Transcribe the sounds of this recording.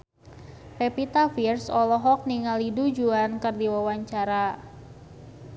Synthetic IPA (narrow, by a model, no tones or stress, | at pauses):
pepit̪afirsɔlɔɦɔk̚niŋalidud͡ʒuankɨrdiwawaɲt͡ʃaɾa